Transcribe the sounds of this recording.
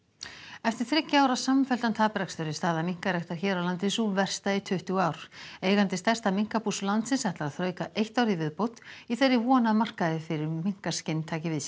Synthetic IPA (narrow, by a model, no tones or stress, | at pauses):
ɛft̪ɪɾ̥θɾɪcːaaːwɾasamfɛl̥t̪ant̪ʰaːpɪɾakst̪œɾɪst̪aːðamiŋ̥kaɾɛht̪aɾ̥çɛːɾawlant̪ɪsuvɛr̥st̪aɪt̪ʰʏht̪ʏɣaːwɾ̥eːjɣant̪ɪst̪ɛr̥t̪amiŋ̥kapuslant̪sɪnsɛht̪laɾaðθɾœːɥkaʔejht̪awɾivɪðpowt̪iθerːɪvɔnaðmar̥kaðɪfɪɾɪɾmiŋ̥kascɪnːt̪ʰaːcɪvɪðs